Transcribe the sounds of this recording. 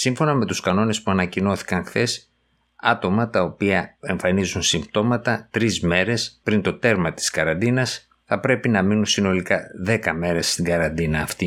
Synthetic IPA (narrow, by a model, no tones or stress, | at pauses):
siɱfo̞nɐme̞t̪uskɐno̞ne̞spuɐnɐcino̞θi̥kɐŋxθe̞s | ɐt̪o̞mɐt̪ɐo̞piɐe̞ɱfɐnizunsimbt̪o̞mɐt̪ɐt̪ɾizme̞ɾe̞spɾint̪o̞t̪e̞ɾmɐt̪i̥skɐɾɐnd̪inɐs | θɐpɾe̞pinɐminunsino̞likɐðe̞kɐme̞ɾe̞st̪iɡɐɾɐnd̪inɐːft̪i